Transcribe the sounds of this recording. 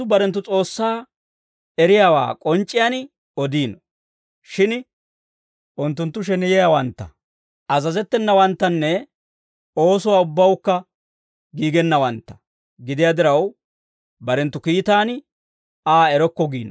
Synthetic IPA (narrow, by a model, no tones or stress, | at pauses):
ʊbɐɾɛnt̪ːʊt͡sʼo̞ːsːaː | ɛɾɪjaːwa̰ːkʼɔnt͡ʃʼːɪjaːn | ɔd̪iːnɔ | ʃɪn | ʔʊnt̪ːʊnt̪ːʊʃ̬ɛnɪjɛjawɐnt̪ːɐ̰ | ɐzɐzɛt̪ːɛnːɐwɐnt̪ːɐnːɛ | o̞ːs̬ʊwaːʊbːɐwkːɐ | ɡiːɡɛnːɐwɐnt̪ːɐ̥ | ɡɪd̪ɪjaːd̪ɪɾɐw | bɐɾɛnt̪ːʊkiːt̪aːn | aːɛɾɔkːɔɡiːnɔ